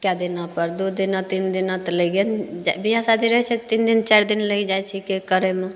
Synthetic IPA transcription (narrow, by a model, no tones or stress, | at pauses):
kjad̪ɪnapəɾd̪ud̪inat̪ind̪inat̪leɡend͡ʒbiasad̪iɾəɦɛt͡ʃʰet̪ind̪ɪnt͡ʃaɾd̪ɪnləid͡ʒajt͡ʃʰikekəɾemẽ